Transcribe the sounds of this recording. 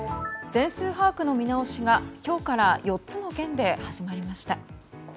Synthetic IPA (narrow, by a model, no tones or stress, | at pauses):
d͡zẽ̞ɰ̃sɨːɦaːkɯ̟no̞mʲinao̞ɕiɡakʲo̞ːkaɾajo̞tt͡sɨno̞ɡẽ̞nd̪e̞haʑimaɾʲimaɕi̥t̪a